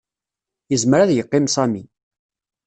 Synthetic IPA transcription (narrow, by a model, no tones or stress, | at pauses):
jəzməɾaðjəqːɪmsˤæmi